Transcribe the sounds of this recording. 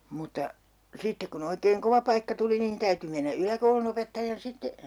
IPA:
mutːɑ sitːek kun oikeːŋ koʋɑ pɑikːɑ tuli nin tæyty menːæ ylækoulunopetːɑjɑn sitːe

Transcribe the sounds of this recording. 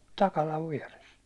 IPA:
tɑkɑlɑʋ ʋiɛres

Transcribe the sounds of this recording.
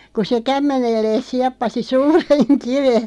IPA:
ku se kæmːenelːeːs siɑpːɑsi suːreŋ kiʋe

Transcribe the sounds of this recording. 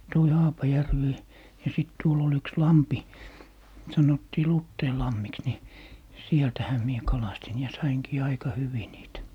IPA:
toi hɑːpɑjærʋi jɑ siˑt tuol ol yks lɑmpi sɑnotːiː lutːeilɑmːiks ni sieltæhæ mie kɑlɑstin jɑ sɑiŋkiː ɑikɑ hyʋi niːtæ

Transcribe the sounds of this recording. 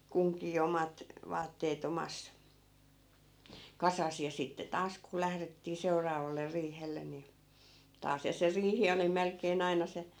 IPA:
kuŋkiː omɑt ʋɑːtːeːt omɑs kɑsɑs jɑ sitːe tɑːs ku læhretːiː seurɑːʋɑlːer riːhelːen̆ ni tɑːs jɑ se riːhi oli melkˑeːn ɑinɑ se

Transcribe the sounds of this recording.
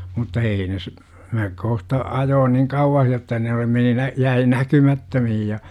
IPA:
mutːɑ ei ne s mæ kohtɑ ɑjoːn niŋ kɑuwɑh jotːɑ ne oli meni næ jæi nækymɑtːømihij jɑ

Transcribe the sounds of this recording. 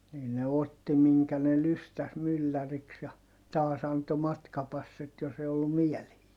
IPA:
niː ne otːi miŋkæ ne lystæs mylːæriks jɑ tɑːs ɑnto mɑtkɑpɑsːit jos e olːum miɛlehiː

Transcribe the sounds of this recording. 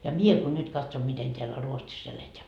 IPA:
jɑ mie ko nyd̥ kɑtsom miten teælːæ ruotsis eleteæ

